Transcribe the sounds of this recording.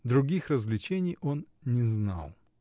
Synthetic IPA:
d̪ɾʊɡʲixrəzvlʲɪt͡ɕenʲɪjo̞nnʲɪzna̰lˠ

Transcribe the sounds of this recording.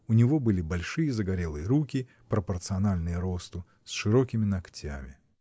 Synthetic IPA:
ʊnʲɪvo̞bɨlʲɪbɐlʲʂɨjəzəɡɐɾʲe̞lˠɨjəɾukʲɪ | pɾəpərt̪sɨɐnalʲnɨjəɾo̞st̪ɨ | sʂɨɾo̞kʲɪmʲɪnɐktʲa̰mʲɪ

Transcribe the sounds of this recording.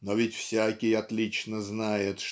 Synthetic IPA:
novʲɪtʲfsʲækʲɪjɐt̪lʲit͡ɕnəznajɪt̪ʂ

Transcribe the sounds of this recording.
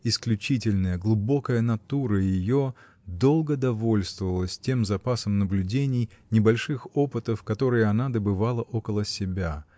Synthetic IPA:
ɪsklʲʉt͡ɕitʲɪlʲnəjəɡlˠʊbo̞kəjənɐt̪uɾəjɪjo | d̪o̞lˠɡəd̪ɐvo̞lʲst̪vəvəlˠəsʲtʲemzɐpasəmnəblʲʉdʲenʲɪjnʲɪbɐlʲʂɨxo̞pɨt̪əfkɐt̪o̞ɾɨjɪɐnad̪əbɨvalˠəʔokəlˠəsʲɪbʲa

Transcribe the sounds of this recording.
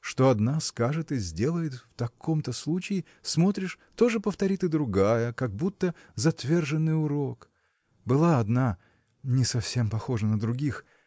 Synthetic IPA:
ʂt̪o̞ɐd̪naskaʐɨt̪ɨzʲdʲe̞lˠəjɪt̪ft̪ɐkʰo̞mt̪əslˠut͡ɕɪɪ | smo̞t̪ɾʲɪʂ | t̪o̞ʐɨpəft̪ɐɾʲit̪ɨd̪ɾʊɡajəkɐɡ̚but̪ːə | zɐt̪vʲe̞rʐɨnːɨjʊɾo̞k | bɨlˠaɐd̪na | nʲɪsɐfsʲe̞mpɐxo̞ʐənəd̪ɾʊɡʲix

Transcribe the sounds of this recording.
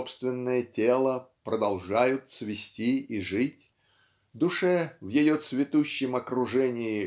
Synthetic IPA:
pst̪vʲɪnːəjətʲelˠəpɾəd̪ɐlˠʐajʊt̪svʲɪsʲtʲiiʐɨtʲ | d̪ʊʂɛvjɪjot̪svʲɪt̪uɕːɪmɐkɾʊʐɛnʲɪɪ

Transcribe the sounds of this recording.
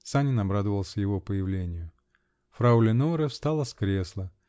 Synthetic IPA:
t̪sanʲɪnɐbɾad̪əvəlˠsʲəjɪvo̞pəjɪvlʲenʲɪjʊ | fɾaulʲɪnoɾəfst̪alˠəskɾʲe̞slˠə

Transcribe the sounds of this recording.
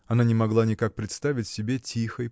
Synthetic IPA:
ɐnanʲɪmɐɡlˠanʲɪkak̚pɾʲɪt̪st̪avʲɪtʲsʲɪbʲetʲixəj

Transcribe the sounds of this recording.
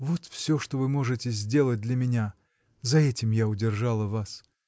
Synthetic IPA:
vo̞t̪fsʲɵʂt̪ovɨmo̞ʐɨtʲɪzʲdʲe̞lˠət̚ʲd̪lʲɐmʲɪnʲa | zɐɛtʲɪmjaʊdʲɪrʐalˠəvas

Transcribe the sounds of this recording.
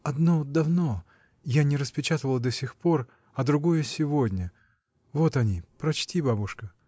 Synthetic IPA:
ɐd̪no̞d̪ɐvno̞ | janʲɪɾəspʲɪt͡ɕat̪əvəlˠəd̪ɐsʲɪxpo̞r | ɐd̪ɾʊɡo̞jəsʲɪvodʲnʲə | vo̞t̪ɐnʲipɾɐt͡ɕtʲibabʊʂkə

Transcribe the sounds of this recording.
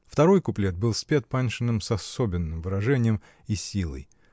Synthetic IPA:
ft̪ɐɾo̞jkʊplʲet̪̚bɨlˠsʲpʲet̪̚panʲʂɨnːɨmsɐsobʲɪnːɨmvɨɾɐʐɛnʲɪjəm | isʲilˠə̰j

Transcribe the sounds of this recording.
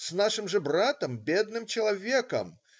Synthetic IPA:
snaʂɨmʐɨbrat̪əmbʲed̪̚nɨmt͡ɕɪlˠɐvʲekə̰m

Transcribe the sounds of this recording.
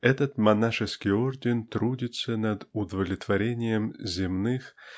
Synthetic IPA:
ɛt̪ət̪mɐnaʂɨskʲɪjo̞rdʲɪnt̪ɾudʲɪt̪sənɐd̪ʊd̪əvəlʲɪt̪vɐɾʲenʲɪjəmzʲɪmnɨx

